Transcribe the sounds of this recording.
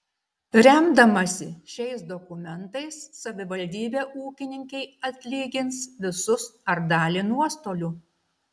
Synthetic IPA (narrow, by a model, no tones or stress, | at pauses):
ɾʲɛmd̪ɐmɐsʲɪʃʲɛɪsd̪ɔkʊmʲɛnt̪ɐɪsːɐʋʲɪʋɐlʲd̪ʲiːbʲeːʔuːkʲɪnʲɪŋʲkʲɛɪɐt̪ʲlʲiːɡʲɪnsʋʲɪsʊsɐɾd̪ɑːlʲiːnuɔst̪oːlʲuː